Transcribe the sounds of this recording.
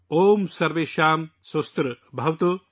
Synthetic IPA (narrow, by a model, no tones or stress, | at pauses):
oːmsɐɾʋeːʃaːmsost̪ɾɐbʱɐʋt̪o